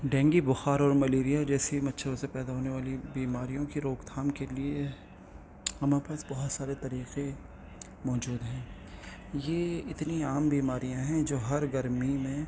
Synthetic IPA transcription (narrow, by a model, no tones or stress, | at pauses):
ɖɛ̃ːŋɡibʊxaːɾɔːɾmɐleːɾijad͡ʒɛːsimɐtːʃʰəɾʊsepɛːd̪aɦoːneʋaːlibiːmaːɾijõkiɾoːkt̪ʰaːmkelie | ɦɐmaːpaːsbɐɦʊt̪saːɾet̪ɐɾiːqe | mɔːd͡ʒuːd̪ɦɛ̃ː | jeːɪt̪niaːmbiːmaːɾijãɦɛ̃d͡ʒoːɦɐɾɡɐɾmimẽ